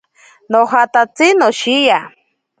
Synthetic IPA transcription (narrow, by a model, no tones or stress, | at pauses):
nohat̪at͡sinoʃija